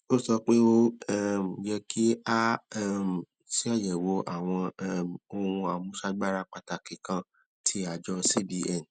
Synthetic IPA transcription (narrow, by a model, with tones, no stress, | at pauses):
o˦sɔ˧k͡pe˦o˦ɛ˦m˨d͡ʒɛ˧kʰi˦a˦m˨ | si˦a˦˨jɛ˨wo˨˦ʔa̰˦˨w̃ɔ̃˧˦m˨o˧ũ˧a˨mũ˦ʃa˧ɡ͡ba˦ɾa˧k͡pa˧ta˨kĩ˨kã˧ | tʰi˧˦a˨d͡ʒɔ˧si˦bi˧ɛ˦˨n˨